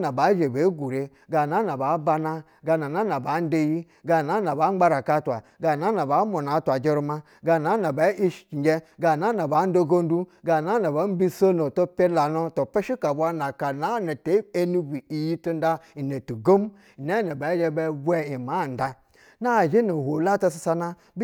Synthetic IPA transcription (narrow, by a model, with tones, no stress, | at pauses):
na˨ba˨˦ʒe˨be˨˦ɡu˨ɾe˦ | ɡa˨na˦na˨ba˨˦ba˦na˦ | ɡa˨na˨na˦na˨ba˨˦n̩˦de˦ji˦ | ɡa˨na˨˦na˨ba˨˦a˦ɾa˨ka˦twa̰˨ɡa˨na˦na˨ba˨˦mo˨na˨˦tʷa˨d͡ʒe˦ɾu˦ma˦ | ɡa˨na˦na˨ba˨˦ʔi˦ʃt͡ʃi˨d͡ʒe˦ɡa˨na˦na˨ba˨˦n̩˦do˦ɡo˦n̩˦du˦ɡa˨na˨˦na˨ba˨˦m̩˦bi˦so˦no˨to˦pe˦la˨no˦to˨pe˦ʃi˦ka˨bʷa˦na˨ka˨na˨˦na˨te˦e˦nu˦bu˨i˨ji˦tu˦n˦da˦i˨ne˨tu˨ɡo˦m˦˨ | ne˦ne˨ba˨˦d͡ʒe˦be˦bʷe˦i˨ma˨˦˨n̩˨da˦ | na˦˨d͡ʒe˦no˨ho˨la˦ta˦s̬a˦sa˦na˦